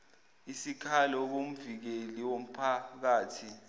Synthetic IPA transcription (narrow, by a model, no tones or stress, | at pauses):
isikʰalɔk̬om̩vik̬eliwom̩pʰak̬aːtʰi